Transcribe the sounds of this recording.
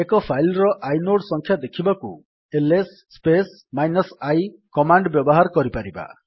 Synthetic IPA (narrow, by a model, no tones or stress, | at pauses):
ekɔpʰajlɾɔʔajnoɽsɔŋkʰjad̪ekʰibakṵ | elesːpes | majnɔsajkɔmaɳɖbjɔbɔɦaɾɔkɔɾipaɾiba̰